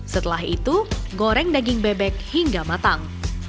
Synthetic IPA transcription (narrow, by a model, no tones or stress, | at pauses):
sət̪əlaɦit̪uɡoɾɛŋdaɡɪŋbɛbɛk̚hiŋɡamat̪aŋ